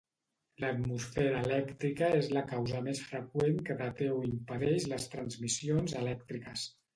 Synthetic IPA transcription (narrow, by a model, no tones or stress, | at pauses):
lət̪musfɛɾəːlɛkt̪ɾikəezləkawzəmesfɾəkweŋkəðat̪ewimpəðɛʃləst̪ɾənzmisionzəlɛk̚t̪ɾikəs